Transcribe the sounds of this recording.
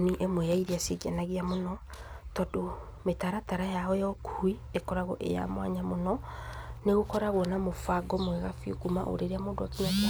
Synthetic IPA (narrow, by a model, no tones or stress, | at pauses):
niʔemwejaiɾiaseɡianaɣiamonɔtɔdo | metaɾataɾajaɔjɔkʰui | ekɔɾaɣɔʔḛja̰mwa̰ɲamonɔneɣokɔɾaɣwɔnamofaɡɔmwɛɣafiokuma̰ʔo̰ɾeɾeamoːndwakiɲaka